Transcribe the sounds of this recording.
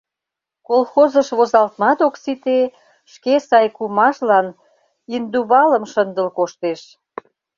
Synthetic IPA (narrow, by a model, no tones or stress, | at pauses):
kolxozəʃβozɑlt̪mɑt̪oksit̪e | ʃkesɑjkumɑʃlɑn | ind̪uβɑləmʃənd̪əlkoʃt̪eʃ